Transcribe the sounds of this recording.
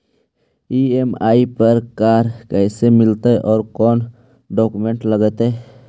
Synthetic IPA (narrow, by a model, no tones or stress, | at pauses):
iemaːipəɾkaɾkɛɦsemɪlt̪eʔɔːɾkɔːn | ɖɔːkumẽɳʈləɡət̪e